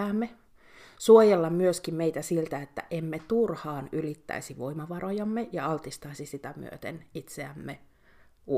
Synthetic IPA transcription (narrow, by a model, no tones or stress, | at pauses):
æːmːe | suojelːɑmmyøskimmeit̪æsilt̪æet̪ːæ̰ʔemːet̪urhɑːnylit̪ːæ̰isiʋoimɑʋɑrojɑmːejɑɑlt̪ist̪ɑisisit̪æmy̰ø̰t̪enit̪seæmːe | u